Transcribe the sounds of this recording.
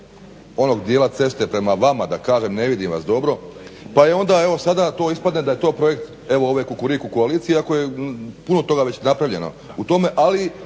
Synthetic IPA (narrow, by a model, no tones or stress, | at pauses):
o̞no̞ɡd̪jeːlat̪se̞st̪epɾe̞maʋamad̪akaːʒemne̞ʋid̪imʋa̰sd̪o̞bɾo̞paeo̞nd̪ae̞ʋo̞sad̪at̪o̞ːispad̪ned̪aje̞t̪o̞ːpɾo̞je̞kt̪ | e̞ʋooʋekukuɾikuko̞aliːt̪siiako̞je̞puno̞t̪o̞ɡaʋe̞t͡ɕnapɾaʋʎe̞̰no̞̰ | ut̪o̞me̞ʔali